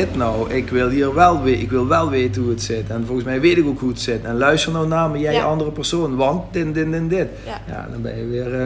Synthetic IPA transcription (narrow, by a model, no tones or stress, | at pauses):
ɪtnɔwɪkʋɪlˠɦiːrʋɛlˠʋeɪkʋɪlˠʋɛlˠʋeːtəhuətsɪtɛnvolˠənsmɛjʋeːtɪkokɦuətsɪtɛnlœɥstərnɔwnaːməjɛjʔɑndərəpɛrsoːnʋɑntdɪndɪndɪndɪt | ja̰ːdɔ̰nbɛ̰njəʋɪːr